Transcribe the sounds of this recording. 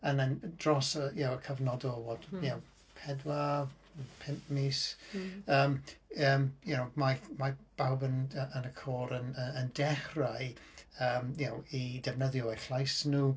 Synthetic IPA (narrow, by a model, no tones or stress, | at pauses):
ənand̥rɔsəjawəkʰəvnɔdɔlˠwɔːd̥ja | pʰɛdwa | pʰɪmpmis | əːməːmjənowmamab̥awbənəʔənəkʰoːɾənəəndɛχrajəːmjawidɛvnəðjɔɛrɬlˠajsnuː